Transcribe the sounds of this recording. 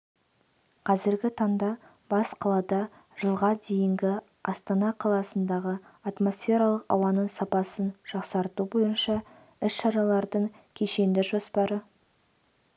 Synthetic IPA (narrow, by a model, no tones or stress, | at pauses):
qʰɑzɪɾɡʲɪt̪ʰɑɴd̪ɑ | b̥ɑsqʰɑlˠɑd̪ɑ | ʒ̥əlˠʁɑd̪e̞jɪŋɡʲɪ | ɑst̪ɑnɑqʰɑlˠɑsənd̪ɑʁəat̪mo̞sfʲe̞ɾɑlˠəqɑ̰wɑnəɴsɑpɑsənʒ̥ɑqsɑɾt̪ubo̞jənʃɑ | ɪʃʃɑɾɑlˠɑɾd̪əɴ | kʲʰe̞ʃe̞nd̪ɪʒo̞spɑɾə